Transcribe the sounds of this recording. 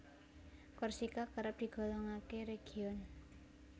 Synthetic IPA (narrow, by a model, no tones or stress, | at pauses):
kɔrsikakəɾəp̚d̪̥i̤ɡ̥o̤lɔŋakeɾeɡ̥iɔn